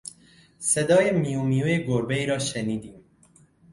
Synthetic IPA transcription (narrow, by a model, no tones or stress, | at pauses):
sed̪ɒːjemijumijujeɡoɾbeiːɾɒːʃeniːd̪iːm